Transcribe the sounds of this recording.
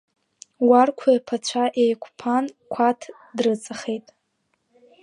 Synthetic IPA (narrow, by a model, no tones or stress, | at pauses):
warkʷʰajpʰat͡ɕʷʰaʔejkʷʰʼpʰankʷʰatʰ | drɨt͡sʼaχejtʼ